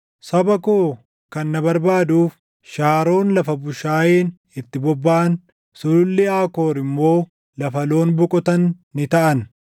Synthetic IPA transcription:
sɐbɐkoː | kɐnːɐbɐɾbaːd̪uːf | ʃaːɾo̞ːnlɐfɐbʊʃaːjeːn | ɪt̪ːɪbɔbːɐʔɐn | sʊʊlːɪaːko̞ːɾɪmːo̞ː | lɐfɐlo̞ːnbʊkʼɔt̪ɐnː | ɪt̪ɐʔɐn

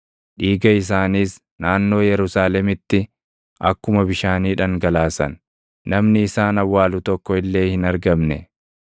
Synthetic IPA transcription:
ᶑiːɡɐɪs̬aːniːs | naːnːo̞ːjɛɾʊsaːlɛmɪt̪ːɪ | ʔɐkːʊmɐbɪʃaːniːᶑɐŋɡɐlaːsɐ̰nː | ɐmnɪːsaːnɐwːaːlʊt̪ɔkːɔɪlːe̞ːhɪnɐɾɡɐmnɛ

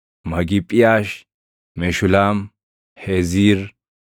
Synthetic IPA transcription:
mɐɡɪpʼːɪjaːʃ | mɛʃʊlaːm | hɛziːɾ

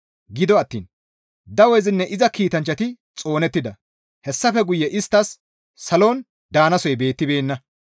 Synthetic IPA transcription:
ɡɪd̪ɔɐt̪ːḭːn | d̪ɐwɔjzɪnːɛʔɪzɐkiːt̪ɐnt͡ʃːɐt̪ɪ | t͡sʼo̞ːnɛt̪ːɪd̪ɐ | hɛsːɐfɛɡʊjːɛʔɪst̪ːɐsː | ɐlo̞ːn | d̪aːnɐsɔjbe̞ːt̪ːɪbe̞ːnːɐ

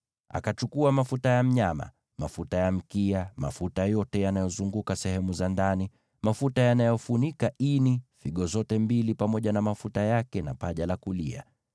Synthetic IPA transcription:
a̰kat͡ʃukuamafutajam̩ɲama̰ | ma̰futajam̩kiama̰futajɔtɛjanajɔzuŋɡukasɛhɛmuzandani | mafutajanajɔfunikaʔinifiɠɔzɔtɛmbilipamɔʄanamafutajakɛnapaʄalakulia̰

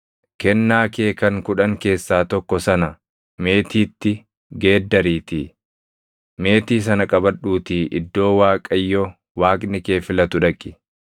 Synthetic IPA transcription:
kɛnːaːkeːkɐŋkʊᶑɐŋke̞ːsːaːt̪ɔkːɔsɐnɐ | me̞ːt̪iːt̪ːɪ | ɡe̞ːd̪ːɐɾiːt̪iː | me̞ːt̪iːs̬ɐnɐkʼɐbɐᶑuːt̪iːʔɪ̰d̪ːo̞ːwaːkʼɐjːɔ | waːkʼnɪke̞ːfɪlɐt̪ʊᶑɐkʼːɪ̥

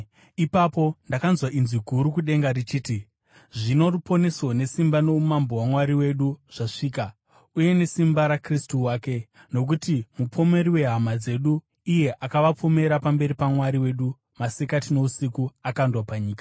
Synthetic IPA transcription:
ipapo̞ndakanzwaʔinziɡʱuɾukuɗe̞ŋɡarit͡ʃiːti | ʐino̞rupo̞ne̞sone̞simbano̞umambo̞wamwaɾiwe̞ɗuʐ̥aʂiːka | uje̞ne̞simbaɾakristuwaːke̞ | no̞k̬utimupʰo̞me̞ɾiwe̞ɦamad͡ze̞ɗuː | je̞ʔakaʋapome̞ɾapambe̞ɾipamwaɾiwe̞ɗu | masekatino̞usikuakandwapaɲiːkḁ

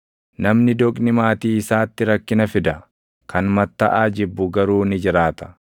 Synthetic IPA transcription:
nɐmnɪd̪ɔkʼnɪmaːt̪iːɪsaːt̪ːɪɾɐkːɪnɐfɪd̪ɐ | kɐnmɐt̪ːɐʔaːd͡ʒɪbːʊɡɐɾuːnɪd͡ʒɪɾaːt̪ɐ̥

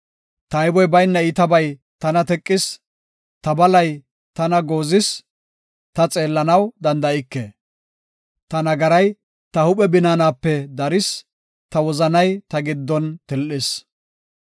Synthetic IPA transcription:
t̪ɐjbɔjbɐjnːɐɪt̪ɐbɐj | t̪ɐnɐt̪ɛkʼːɪs | t̪ɐbɐlɐj | t̪ɐnɐɡoːzɪs | t̪ɐt͡sʼe̞ːlːɐnɐwd̪ɐnd̪ɐɪkːe | t̪ɐnɐɡɐɾɐj | t̪ɐhʊpʼɛbɪnaːnaːpːɛd̪ɐɾɪs | t̪ɐwɔzɐnɐjt̪ɐɡɪd̪ːɔnt̪ɛlʔɪs

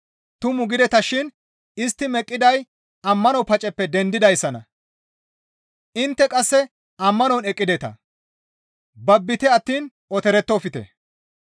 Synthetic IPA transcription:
t̪ʊmʊɡɪd̪ɛt̪ɐʃɪn | ɪst̪ːɪmɛkʼːɪd̪ɐj | ɐmːɐnɔpɐt͡ʃʼɛpːɛd̪ɛnd̪ɪd̪ɐjsːɐnɐ | ʔɪnt̪ːɛkʼɐsːɛ | ɐmːɐnɔnɛkʼːɪd̪ɛt̪ɐ̰ | bɐbːɪt̪ɛɐt̪ːiːn | ɔt̪ɛɾɛt̪ːɔfɪt̪ɛ̰

